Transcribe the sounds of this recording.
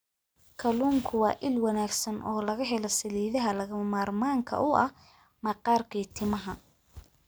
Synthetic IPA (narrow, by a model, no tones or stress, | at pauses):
kʰɐluːŋkʰʊwɑːʔɪlwɑnaːɡsɐnʔɔːlɐɣɐɦɛlɐsɐliːðɐɦɐlɐɣɐmaːrmaːŋkʰɐ̰ʔʊʔɐh | mɐqɑːrkʰiːt̪ʰɪmɐɦɐ